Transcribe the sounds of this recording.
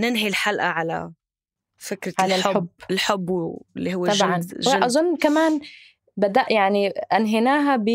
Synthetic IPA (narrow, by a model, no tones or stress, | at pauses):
nɪnɦilħalʔaʕala̰ | fɪkɾɪʕalalħʊbbːɪlħʊbːwɪlːiɦʊw̪ːɑʒʕanʒwaʔɑzˤʊnːkamaːn | bad̪aʔjaʕniʔanɦɪnaːɦabi